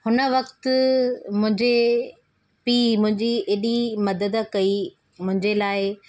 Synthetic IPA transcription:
hʊnə̆ʋɐkt̪ | mʊ̃ɦɪ̃ɲd͡ʑe | piːmʊ̃ɦɪ̃ɲd͡ʑieːɗimɐd̪əd̪kɐi | mʊ̃ɦɪ̃ɲd͡ʑelaːɪ

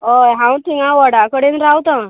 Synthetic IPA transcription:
ojɦãwʈiŋãʋəɽakəɽẽnɾawt̪ã

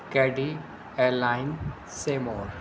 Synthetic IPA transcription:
kɛːɖi | eːɾlaːɪn | seːmoːɾ

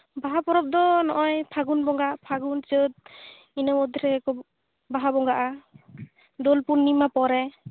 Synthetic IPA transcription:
baɦapɔɾɔp̚d̪ɔnɔʔɔjpʰaɡunbɔŋɡapʰaɡunsɯt̪̚ | inɔmɔd̪ʱɔɾɛɛkɔ | baɦabɔŋɡaʔa | d̪ɔlpunːimapɔɾɛ

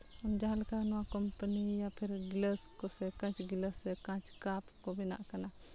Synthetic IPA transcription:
əmd͡ʒaːlkanɔwãkɔmpənijapʰɪɾɡɪləskosɛkãt͡ʃɡɪləsɛkãt͡ʃkapkobina̰ʔkana

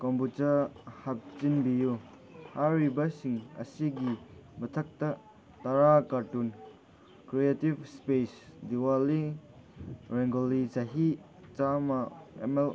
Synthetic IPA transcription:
kɔmbutɐhap̚t͡ʃinbiju | haɾibɐsiŋɐ̰siɡimɐtʰɐk̚tɐ | taɾakaɾtun | kɾietibspesdiwali | ɾeŋɡolizaɦi | t͡ʃamɐḛmel

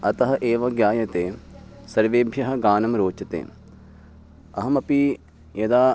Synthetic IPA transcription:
ɐt̪ɐɦɐʔeːʋɐɡjaːjɐt̪eːsɐɾʋeːbʱjɐɦɐ̆ɡaːnɐmɾoːt͡ʃɐt̪ḛː | ɐɦɐmɐpi | jɐd̪aː

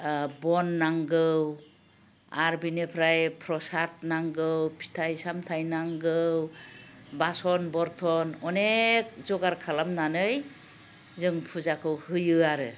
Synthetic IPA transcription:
bɔnːaŋɡɯw | aɾbinepʰɾajpʰɾɔsat̚naŋɡɯwpʰi̥tʰajsamtʰajnaŋɡɯw | basɔnbɔɾtʰɔnɔnek̚zɔɡaɾkʰalamnanɯj | zɯŋpʰuzakʰɯwhɯjɯaɾɯ

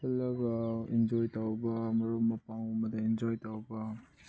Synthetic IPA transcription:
kɐlːɐɡɐend͡ʒojtawbɐmɐɾumɐpaŋomɐdɐend͡ʒojtawbɐ

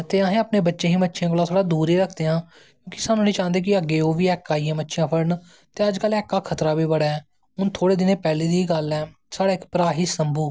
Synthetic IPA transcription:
t̪eːəɦẽːaːpneːbətːʃẽːɦĩːbətːʃjãːkolaːt̪ʰoːɽaːd̪uːɾeːɾəkʰd̪eːãː | kjõːkɪ̥saːnũːnĩːt͡ʃaːnd̪eːk̬ɪəɡeːoːʋiːɛːkːaːiːẽːbətːʃɪjãːpʰəɾn | t̪eːəd͡ʒkəlɛːkːaːkʰət̪ɾaːbiːbəɽaːɛː | ʊnt̪ʰoːɽeːd̪ɪneːpɛːliːd̪iːɡəlɛː | saːɽaːɪkpɾaːɦiːsəmbuː

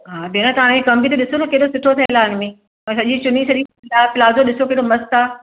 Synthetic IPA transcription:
ɦaːbinat̪ɐʋãːɽ̃kʰẽkɐ̃mbʱit̪eɗɪsot̪ʰɐkeɦɽosɪʈʰot̪ʰɐɦɪlaːɪnmẽ | ɛ̃ːsɐʄĩt͡ɕʊnisɐʄĩɐlaːpɪlaːzoɗɪsokeːɽomɐst̪aː

